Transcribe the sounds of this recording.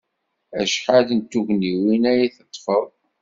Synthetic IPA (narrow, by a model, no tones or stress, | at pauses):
æʃħaðənt̪ːuʝniwinæjæθət̪ˤːfəðˤ